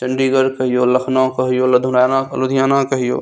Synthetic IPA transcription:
t͡ʃɐ̃ɳɖiːɡəɾkɐɦijoːlɐkʰnãkɐɦijoːlɐd̪ʱʊnaːnalod̪ijaːnãkɐɦijo̰ː

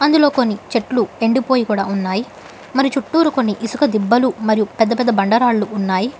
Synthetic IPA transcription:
ɐnd̪ulo̞ːko̞nːit͡ʃe̞ʈlueɳɖipo̞ːjikuːɽa̰ːunːaːji | mɐɾiut͡ʃuʈːuːɾuko̞nːiʔisukɐd̪ibːɐlumɐɾijupɛd̪ːɐpɛd̪ːɐbɐɳɖɐɾaːɭːuːnːaːji

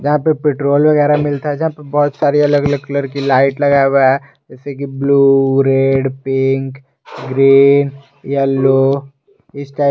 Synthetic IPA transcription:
d͡ʒɐɦãpepeːʈɾoːlʋɐɣɛːɾamɪlt̪aɦɛd͡ʒɐɦãpebɔːt̪saːɾiɐləɡɐləɡ̚kləɾkilaːɪʈlɐɡaːweɛ | d͡ʒɛːsek̬ibluːɾeːɖpɪ̃ŋk | ɡɾiːn | jaloː | ɪsʈaːɪ

